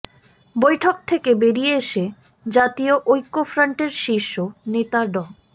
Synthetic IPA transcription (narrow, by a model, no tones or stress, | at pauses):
bojʈʰok̚t̪ʰekebeɾijeeʃe | d͡ʑat̪ioʔojkːofɾaɳʈeɾʃiʃːonet̪aɖɔ